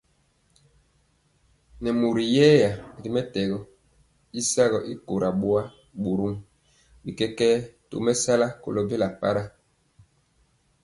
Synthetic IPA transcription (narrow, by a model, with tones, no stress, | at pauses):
nɛ˨mu˨ɾi˨jɛː˦ja˨ɾi˨mɛ˦tɛ˨ɡɔ˦ | i˦sa˦ɣɔ˨ʔi˦ko˨ɾa˨ɓwa˦ | ɓu˨ɾu˦ŋ | bi˨kɛ˦kɛ˦to̰˨mɛ˦sa˦la˦ko̰˨lo˦be˦la˨pa˦ɾa˦